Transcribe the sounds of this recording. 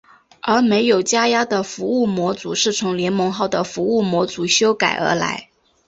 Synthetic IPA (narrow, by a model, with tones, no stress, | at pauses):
ə˞˧˥me˧˥ɪjo˨˩ʊt͡ɕja˥ja˥d̪ə˨fu˧˥u˥˩mwɔ˧˥t͡sṵ˧˥ʂɻ̩˥˩t͡sʰʊ˧˥ŋljɛ˧˥nmɤ˧˥ŋxɑ˥˩ʊd̪ə˩fu˧˥u˥˩mwɔ˧˥t͡su˧˥ɕjo˥ʊka˨˩ɪʔə̰˞˧˥la̰˧˥ɪ